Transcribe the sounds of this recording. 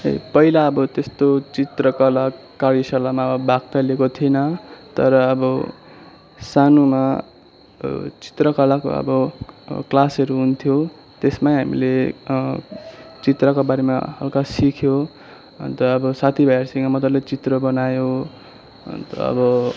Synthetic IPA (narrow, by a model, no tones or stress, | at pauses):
ḛpʌɦilaʌbʌt̪est̪ot͡sit̪rʌkʌlakːaɾisʌlamaʌbʌbʱak̚t̪alekot̪ʰiʌnʌt̪ʌɾʌːbʌ | sanuma | t͡si̥t̪rʌkʌlako̰ʌ̰bʌklasʌɾuɦunt̪ʰjo | t̪esmajɦamḭle | t͡sit̪rʌkobaɾema̰ɦʌ̰lkasikʰjo | ʌ̰nt̪ʌʌbʌsat̪ʰibʱʌjarsiŋʌmʌt̪ʌrlet͡sit̪rʌbʌnajo | ʌ̰nt̪ʌ̰ʌ̰bʌ